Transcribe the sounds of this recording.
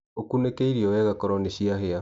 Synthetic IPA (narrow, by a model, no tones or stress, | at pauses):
okunekeiɾiɔwɛɣakɔɾɔneɕiaɦea